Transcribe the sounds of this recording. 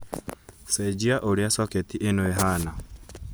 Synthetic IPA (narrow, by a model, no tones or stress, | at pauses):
sɛd͡ʒiaʔoɾiasɔketiʔenoeɦana